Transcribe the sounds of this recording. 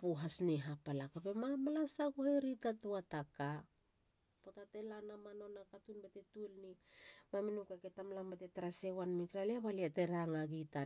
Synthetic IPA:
puɦasniɦapalakape̞mamalasaɡoheɾitatuataka | potate̞lanamano̞nakatunbatetulnimaminukeketamlambate̞taɾasewanmitɾaleaβaliate̞ɾaŋaɡita

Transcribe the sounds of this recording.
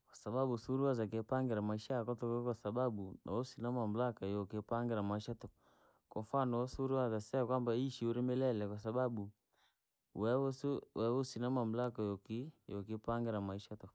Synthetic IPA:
kwasababusuɾuaz̬ak̬epaŋɡɛɾamaiʃakɔtɔkɔkwasababuna̰osinamam̩lakajɔkɪpaŋɡɪɾamaiʃatɔ | kɔfanɔɔsuɾuwazasɛkwambaiʃioɾimɛlɛlɛkwasababu | wɛswɛwosinamamlakajɔkijɔkɪpaŋɡɛɾamaiʃatɔ

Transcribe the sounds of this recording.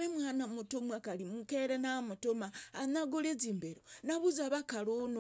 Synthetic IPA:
emwanamutomwakalimukeɾenamutomaːnaɡoleziːmbeɾonaβuzaβakalono

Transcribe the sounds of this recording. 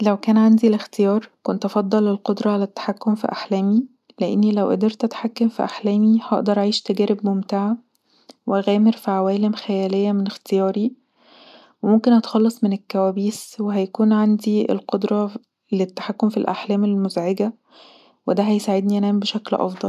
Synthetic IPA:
læwkæːnʕand̪ilext̪ejɑːɾˤkont̪ʔɑfɑd̪ˤːɑlːelqod̪ɾˤɑʕalæt̪ːḁħakːomfḭʔaħlæːmi | leʔḛnːilæwʔæ̰d̪eɾt̪ʔæt̪ħakːæmfiʔaħlæːmihɑʔd̪ɑɾˤʔʕiːʃt̪æɡæːɾebmomt̪aʕa | weæɣæːmeɾfiʕawæːlemxæjæːlejːæmenext̪ejɑːɾi | wemomkenhɑt̪xɑlːɑsˤmenekːæwæːbiːsweɦæjækuːnʕand̪iḛlqod̪ɾˤɑ | let̪ːḁħakːomfilʔa̰ħlæːmelmozʕeɡæ | wed̪æɦæjsaʕed̪niʔænæːmbeʃæklʔɑ̰fd̪ˤɑl

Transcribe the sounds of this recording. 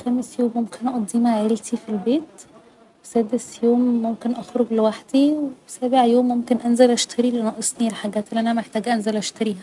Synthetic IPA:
xæmesjoːmːomkʰenʔɑd̪ˤːiːmaʕelt̪ʰifilbeːt̪ | wesæːd̪esjoːmːomkenʔɑxɾoɡlewaħd̪̥iwesæːbeʕjoːmːomkenʔænzælʔæʃt̪ʰæɾilʔænæʔesˤnielħaɡæːt̪ʔelːʔænæmeħt̪æːɡæʔænzælʔæʃt̪æɾiːhæ

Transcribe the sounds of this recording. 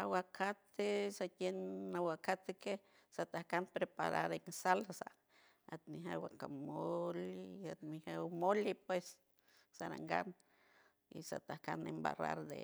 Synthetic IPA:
awakʰat̪esat̪enawakat̪eke | sat̪ahkanpɾepaɾaɾensalasa | at̪miɦawakamolat̪mihawmolipwesː | aɾa̰ŋɡa̰n | ḭsa̰t̪ahka̰nemba̰ra̰ɾd̪ḛ

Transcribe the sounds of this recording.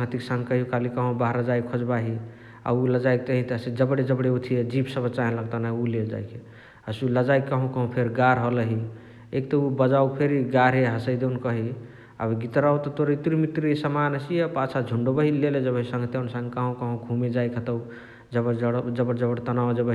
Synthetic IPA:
əŋt̪iksə̃ŋɡkəɦijukalikəɦõbaɦɾad͡ʒaikʰod͡ʒbaɦi | a̰uləd͡ʒajk̚t̪əɦit̪ːsed͡ʒəbɽed͡ʒəbɽeut̪ʰied͡ʒibsəbət͡ʃaɦẽləɡ̚t̪anaɦiuleld͡ʒa̰jkʰe | əsuləd͡ʒajkkəɦõkəɦõpʰeɾɡaɾɦoləɦi | ekt̪əubəd͡ʒaupʰeɾiɡaɾɦeɦəsəjd̪ewnkəɦi | a̰bɡit̪ɾawt̪ɔt̪oɾit̪ɾimit̪ɾiisəmanəsiepat͡ʃʰad͡ʒʱuɳɖobəɦileled͡ʒəbəɦisə̃ŋɡt̪insə̃ŋɡkəɦõkəɦõɡʱumed͡ʒajkʰet̪əw | d͡ʒəbəd͡ʒəbəɽd͡ʒəbəɽt̪ənawd͡ʒəbə

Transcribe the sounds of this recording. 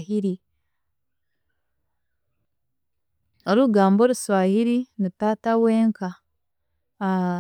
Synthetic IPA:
hiɾi | oɾuɡaːmbo̞ɾuswaːhiɾinitaːtaweːŋka

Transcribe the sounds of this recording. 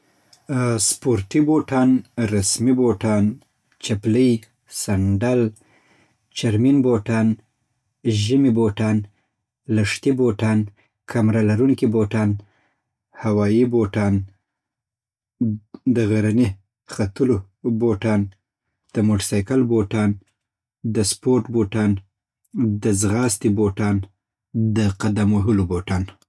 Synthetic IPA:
spoɾʈiboʈɑnɾasmiboʈɑn | t͡ʃapləj | saɳɖal | t͡ʃaɾminboʈɑn | ʒimiboʈɑn | laʂt̪iboʈɑn | kʰamɾalaɾuŋkiboʈɑn | hawɑjiboʈɑn | d̪əɣaɾani | xat̪əlo | boʈɑn | d̪̥əmoʈsɑjkalboʈɑn | d̪əspoɾʈboʈɑn | d̪əzɣɑst̪iboʈɑn | d̪əqad̪amwoɦəloboʈɑn

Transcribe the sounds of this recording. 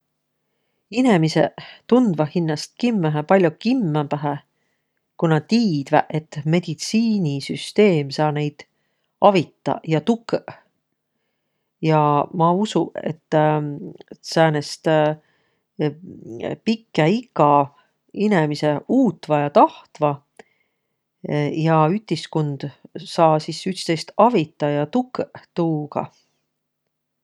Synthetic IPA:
ine̞misḛt̪und̪̥vɑhinːɑst̪̚kimːæɦæpɑlʲjukimːæpæɦæ | kunɑt̪iːd̪̥væʔet̪ːme̞d̪̥it̪siːnʲisyst̪e̞ːmsɑːne̞jd̪̥ | ɑvit̪ːɑ̰jɑt̪ukː | jɑmɑusuḛt̪ː | sænest̪ | pikːˑeikːˑɑ | inemise̞uːt̪ːˑvɑjɑt̪ɑht̪vɑ | jɑyt̪ʲːiskond̪̥sɑːsisyt̪st̪ejst̪ɑvit̪ːˑɑjɑt̪ukːt̪uːɡ̥ɑ̰

